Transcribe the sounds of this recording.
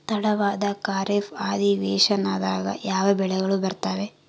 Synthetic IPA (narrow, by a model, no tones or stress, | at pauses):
t̪ɐɽɐʋaːd̪ɐkaːɾefaːd̪iʋɛːʃɐnaːd̪aːɡɐ̰jaːʋɐbɛɭɛɡɐɭubɐɾt̪aːʋe